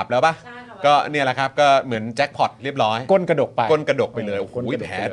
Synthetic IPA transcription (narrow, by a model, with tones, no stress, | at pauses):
p̚lɛː˦˥wba˦˥˩kɔː˥˩ni˥˩əla˧˩kʰa˦˥p̚kɔː˥˩mɯ˩˦ənt͡ɕɛ˦˥k̚pʰɔ˨˩t̪̚ɾi˥˩əp̚ɾɔː˦˥jko˥˩˨nka˧do˨˩k̚koː˥˩˨nka˧doː˨˩k̚pa˧jlɤː˧jʔo˨˧˨ɛː˩˦